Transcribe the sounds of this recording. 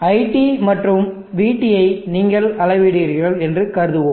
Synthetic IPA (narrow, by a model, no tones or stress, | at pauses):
ɐɪʈimɐʈrɯm | ʋiːʈːɪjɐɪniːŋɡɐɭɐlɐɪʋɪɽiːɾɣɐɭɛndrɯkɐɾɯðɯʋoːm